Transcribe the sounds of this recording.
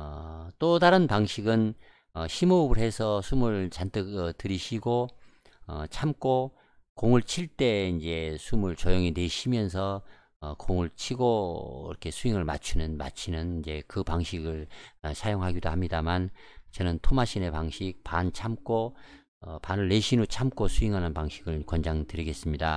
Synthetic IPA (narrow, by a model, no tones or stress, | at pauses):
ʌt͈odaɾɯnpaŋɕʰiɡɯn | ʌɕʰimobɯɾɦe̞sʰʌsʰumuɭt͡ɕantʰɯtɯɾiɕʰiɡo | ʌ̰t͡ɕʰamk͈o | koŋɯɭt͡ɕʰiɭt͈e̞ind͡ʑe̞sʰumuɭt͡ɕʌjoŋine̞ɕʰimjʌnsʰʌː | koŋɯɭt͡ɕʰiɡoḭɾʌkʰe̞sʰuiŋɯɭma̰t͡ɕʰunɯnma̰t͡ɕʰinɯnind͡ʑe̞kɯpaŋɕʰiɡɯɭsʰajoŋɦaɡidohamɲidamant͡ɕʌnɯntʰomaɕʰine̞paŋɕʰik̚pant͡ɕʰamk͈o | ʌpanɯɭːe̞ɕʰinut͡ɕʰamk͈osʰuiŋɦanɯnpaŋɕʰiɡɯɭkwʌnd͡ʑaŋtɯɾiɡe̞s͈ɯmɲida